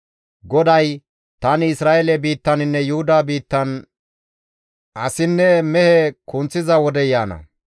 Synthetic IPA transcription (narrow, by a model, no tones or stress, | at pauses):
ɡɔd̪ɐj | t̪ɐnɪɪsɾaːʔelɛbiːt̪ːɐnɪnːɛjʊhʊd̪aːbiːt̪ːɐn | ʔɐsɪnːɛmɛhɛkʊnt͡sːɪzɐwɔd̪ɛjaːnɐ̰